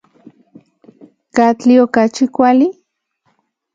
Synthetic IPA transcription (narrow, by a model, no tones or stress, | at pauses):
kat͡ɬiokat͡ʃikʷali